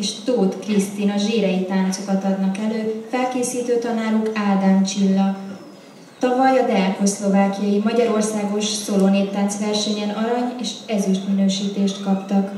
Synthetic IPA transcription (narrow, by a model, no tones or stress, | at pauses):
eʃt̪oːt̪krist̪iːnɒʒeːɾɛjit̪aːnt̪so̞kɒt̪ɒd̪nɒkɛløːfɛlkeːsiːt̪øːt̪ɒnaːɾukaːd̪ant͡ʃilːɒ | t̪ɒvɒjɒd̪ɛkoslo̞vaːkijɒjimɒɟɒɾo̞rsaːɡo̞ʃsoloneːt̪ːant̪sʋɛrʃɛɲɛnɒɾɒɲeːʃɛzyʃt̪minøːʃiːt̪eːʃt̪kɒpt̪ɒk